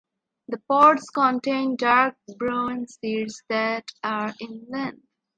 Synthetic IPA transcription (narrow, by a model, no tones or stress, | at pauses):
d̪əpɔːɾʈskɔ̃nʈẽɪ̃nɖaːɾk̚bɾũːnsiːɖsd̪æʈaɾɪ̃nlɛ̃nɖ